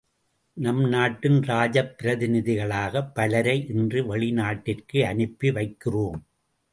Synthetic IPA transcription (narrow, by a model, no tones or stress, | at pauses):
nɐmnaːʈːɪnɾaːd͡ʒɐpːɪɾɐðɪnɪðɪɣɐɭaːɣɐpːɐlɐɾɐɪʔɪndrɯʋɐɭɪnaːʈːɪrkɯɐnɯpːiʋɐɪkːɪroːm